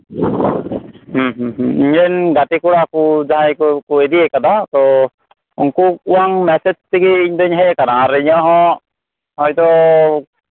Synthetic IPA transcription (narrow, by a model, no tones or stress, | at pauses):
hɦɦiɲɾɛnɡat̪ikuɾakud͡ʒaɦãjkkued̪iekad̪at̪ɔ | ṵŋkuk̚uwaŋmɛsed͡ʒt̪iɡiːɲd̪ɔɲɦɛkanaɾɛɲɔɦɔ̃ | hɔjd̪ɔ